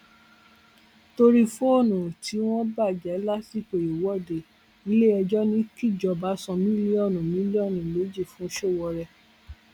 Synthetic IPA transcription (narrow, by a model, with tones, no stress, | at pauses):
to˧ɾi˦fo˦o˦˨nũ˨ti˨˦w̃ɔ̃˦ba˦˨d͡ʒɛ˨˦la˦si˦˨k͡pe˨jo˨wɔ˦˨de˨ | i˨˦le˦˨ɛ˧d͡ʒɔ˦nĩ˦ki˦˨d͡ʒɔ˧ba˨˦sɔ̃˧mĩ˦li˦ɔ˦˨nũ˨mĩ˨˦li˦ɔ˦˨nũ˨me˨˦d͡ʒi˦˨fũ˨˦ʃo˦˨wɔ˧ɾɛ˧